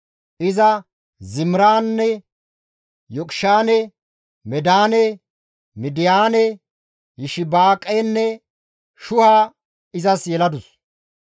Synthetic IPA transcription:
ʔɪzɐ | zɪmɾaːnːɛ | jɔkʼʃaːnɛ | mɛd̪aːnɛ | mɪd̪ɪjaːnɛ | jɪʃɪbaːkʼːɛnːɛ | ʃʊhaː | ɪzɐsjɛlɐd̪ʊs

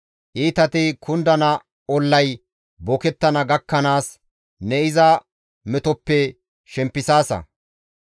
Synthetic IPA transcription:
ʔiːt̪ɐt̪ɪkʰʊnd̪ɐnɐ | ɔlːɐj | bɔkɛt̪ːɐnɐɡɐkːɐnaːs | nɛɪzɐ | mɛt̪ɔpːɛ | ʃɛmpːɪsaːsɐ̰

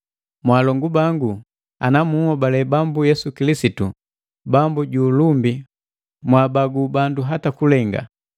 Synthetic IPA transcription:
mwaːlɔŋɡubaŋɡu | a̰namuhɔbalɛbambujɛsukilisitu | bambuɟuːlumbi | mwaːbaɡubanduɦatakulɛŋɡa̰

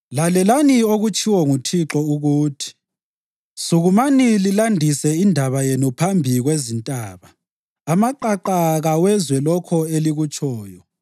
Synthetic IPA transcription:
lalɛlanioɣut͡ʃʼiwɔŋutʰiǁɔuɣuːtʰi̥ | suɣumanililandʱisɛindʱaβajenupʰambʱiɣwezintʼaːβaː | maǃaǃaɣawɛzwɛlɔkʰɔeliɣut͡ʃʰʼɔːjɔ

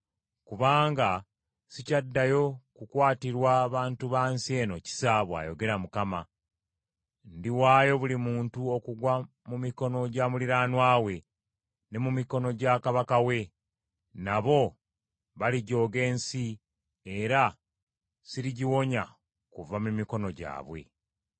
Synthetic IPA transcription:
kuβaːŋɡa | sicadːajo̞kukwaːtiɾwaβaːntuβaːnsie̞ːno̞ci̥saβwa̰jo̞ɡe̞ɾamukama | ndiwaːjo̞βulimuːntuo̞kuɡwa | mumiko̞no̞ɟaːmuliɾaːnwaːwe̞ | ne̞mumiko̞no̞ɟakaβakawe̞ | naβo̞ | βaliɟo̞ːɡe̞ːnsi | e̞ɾa | siɾiɟiwo̞ɲa | kuvamumiko̞no̞ɟa̰ːβwe̞̰

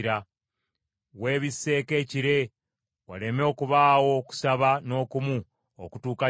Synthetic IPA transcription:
ɾa | we̞ːβisːe̞ːke̞ːciɾe̞ | wale̞mo̞ːkuβaːwo̞ku̥saβano̞ːkumu | o̰kutuːka

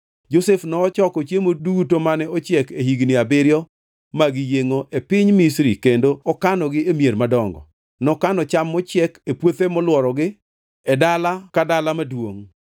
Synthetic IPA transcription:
d͡ʒosefnɔːt͡ʃɔkɔt͡ʃjemodutomanɛɔt͡ʃjɛkeɦiɡnɪabɪɾjɔ | maɡɪjeŋoʔepɪɲmisɾikendoɔkanɔɡɪemjeɾmadɔŋɡɔ̰ | nɔkanɔt͡ʃamːɔt͡ʃjɛkepwot̪emɔlwɔɾɔɡɪ | ɛdalakadalamadwoŋ

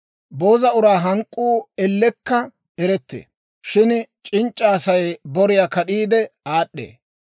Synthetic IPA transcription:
bo̞ːzɐʊɾaːɦɐŋkʼːuːɛlːɛkːɐ | ɛɾɛt̪ːḛː | ʃɪnt͡ʃʼɪnt͡ʃʼːaːsɐjbɔɾɪjaːkɐɗiːd̪ɛaːɗːḛː

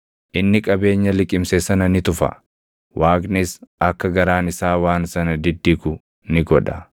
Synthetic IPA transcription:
ʔɪnːɪkʼɐbe̞ːɲːɐlɪkʼɪmsesɐnɐnɪt̪ʊfɐ̰ | waːkʼnɪsɐkːɐɡɐɾaːnɪsaːwaːnsɐnɐd̪ɪd̪ːɪkʊ | nɪɡɔᶑɐ

